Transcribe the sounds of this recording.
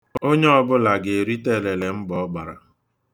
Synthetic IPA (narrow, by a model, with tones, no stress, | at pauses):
o˦ɲe˦ɔ˦˨bʊ˦la˨ɡe˨e˨ɾi˦te˦˨le˨le˨m̩˦bɔ˨˦ɡ͡ba˨ɾa̰˨